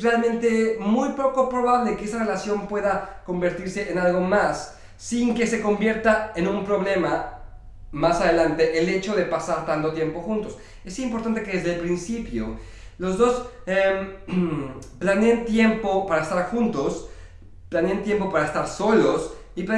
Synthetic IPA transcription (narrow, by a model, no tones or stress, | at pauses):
realmẽnt̪e̞mujpɾokopɾo̞βaβlekeesare̞lasjo̞mpwe̞ðako̞mbe̞ɾt̪iɾse̞ʔenalɣo̞masː | iŋke̞se̞ko̞mbje̞ɾt̪ae̞nũmpɾo̞βle̞ma | masaðe̞lant̪e̞ʔele̞t͡ʃo̞ðe̞pasaɾt̪ant̪ot̪je̞mpo̞xunt̪o̞s | e̞simpo̞ɾt̪ant̪eke̞ðe̞zðelpɾinsipjo̰ | lo̞zðo̞sem | planeant̪je̞mpo̞paɾaest̪aɾxunt̪o̞s | planeant̪je̞mpo̞paɾaest̪aɾso̞lo̞s | ipla